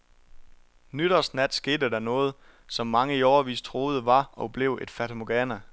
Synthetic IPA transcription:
nyɾ̥ɐsnæd̥sɡ̥e̝ːd̥əd̥ɑnɔ̽ːð̞̩ˠ | sɒ̽mːɑ̈ŋəiɒʊɐʋḭːst͡sʰʁo̝ːð̞̩ˠəʋɑ̈ɒ̽b̥le̝ʊ̰e̝d̥fæt͡sʰomoɡ̥æːnæ

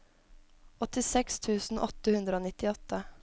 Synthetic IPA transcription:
ɔt̪ɪsɛkst̪ʰʉːsn̩ʔɔt̪əhʉnd̪ɾəoːnɪt̪ɪɔt̪ə

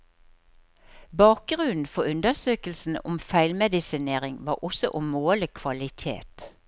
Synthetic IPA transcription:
bɑːk̚ɡʁʉnn̩fɔʉnd̪əsøːkəl̩sn̩ʊ̰mfæɪlmɛd̪ɪsɪneːʁɪŋʋɑːʔɔsɔ̰ʔʊmoːləkʰʋɑlɪt̪ʰḛːt̪

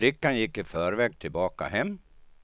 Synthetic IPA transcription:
ɾɪkːanjɪkːɪfœːɾvɛːɡ̚t̪ʰɪlbɑːka̰hɛmː

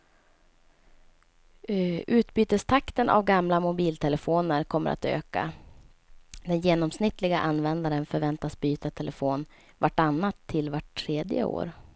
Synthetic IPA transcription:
ʔʉ̟ːt̪byːt̪əst̪ʰakt̪ənʔa̰vɡamlamʊbiːlt̪ʰɛləfoːnəɾkʰɔmːə̰ɾʔa̰t̪ø̰ːka̰ | d̪ɛnjeːnɔmsnɪt̪ːlɪɡaʔanːvɛnd̪aɾənfœɾvɛnt̪asbyːt̪at̪ʰɛlʔəfoːn | vaʈːanːat̪ʰːɪlvaʈʰːɾeːd̪jə̰o̰ːɾ

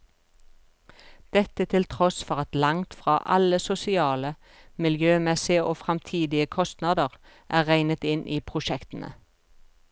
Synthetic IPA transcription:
d̪̥ɛt̪ət̪ʰɪlt̪ʰʁɔsfɔʁɑt̪lɑŋt̪fʁɑːʔɑləsʊsɪɑːlə | mɪljøːmɛsɪəʔoːfʁɑmt̪ʰiːd̪ɪəkʰɔst̪nɑːd̪əʁ | ʔæːʁæɪnət̪ɪnʔiːpʰʁʊʃɛkt̪ən̩ʔə̰

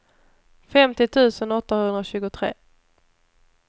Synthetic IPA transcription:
fɛmt̪ɪt̪ʰʉ̟ːsənɔt̪ːahɵnɾaɕʉ̟ːɡʊt̪ʰɾḛː

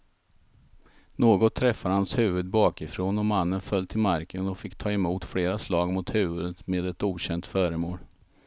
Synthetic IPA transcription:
noːɡɔt̪ʰːɾɛfːahanshʉ̟ːvɵd̪̚bɑːkɪfɾoːnɔmanːənfœlt̪ʰɪlmaɾkənɔfɪkːt̪ʰɑːɛmuːt̪fɽeːɾaslɑːɡmʊt̪hʉ̟ːvɵd̪ət̪meːd̪ɛt̪uːɕɛnt̪fœːɾəmoːl

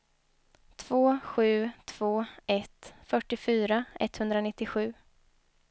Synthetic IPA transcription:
t̪ʰv̥oːɧʉ̟ːt̪ʰv̥oːɛt̪fœʈːɪfyːɾaɛ̰t̪hɵnd̪ɾanɪt̪ːɪɧʉ̟ː

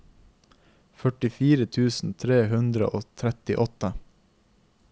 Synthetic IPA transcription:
fœʈɪfiːɾət̪ʰʉːsn̩t̪ʰɾeːhʉnd̪ɾə̰ʔoːt̪ʰɾɛt̪ɪʔɔt̪ə

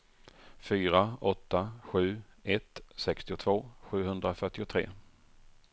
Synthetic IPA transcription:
fyːɾaɔt̪ːaɧʉ̟ːɛt̪sɛkst̪ɪʊt̪ʰvoːɧʉ̟ːɦɵnd̪ɾafœʈːɪʊt̪ʰɾḛː

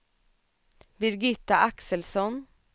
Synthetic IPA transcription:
bɪɾɡɪt̪ːaʔaksəlsɔn

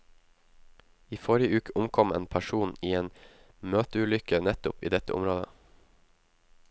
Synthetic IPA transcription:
iːfoɾɪəʉːkəʔʊmkʰɔmḛːnpʰæʃuːniːeːn | møːt̪əʉːlʏkənɛt̪ʊpḭːd̪ɛt̪ə̰ʔʊ̰mɾoːd̪ə

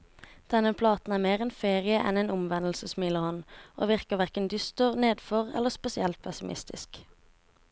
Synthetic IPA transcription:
d̪̥ɛnəpʰlɑːt̪n̩æːmeːʁɛnfeːʁɪəʔɛ̰neːnʊmʋɛnəl̩səsmɪləhɔnʔo̰ːʋɪʁkəʁʋæʁkənd̪ʏst̪əʁneːd̪fɔʁɛ̰lːəʁspɛsɪɛlt̪̚pʰɛsɪmʔɪ̰st̪ʰɪ̰sk

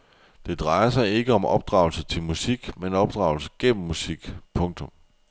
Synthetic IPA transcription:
d̥e̝d̥ʁɑ̈ɪɐsɑ̈ɪe̝ɡ̥əɒ̽mʔɒ̽b̥̚d̥ʁɑ̈ʊlsət͡sʰe̝lmusiɡ̥menɒ̽b̥d̥ʁɑ̈ʊl̩səɡ̥en̰m̩ːusiɡ̥pʰɔ̽ŋt͡sʰɔ̽m

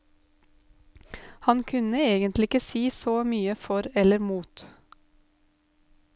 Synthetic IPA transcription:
hɑnkʰʉnəeːɡənt̪lɪɪkəsiːsoːmyːəfɔɾɛləɾmuːt̪

